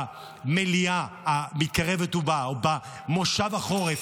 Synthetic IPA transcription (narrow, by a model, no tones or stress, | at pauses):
meliaamit̪̚kaʁe̞vet̪ubaoba | moʃavaχo̞ʁef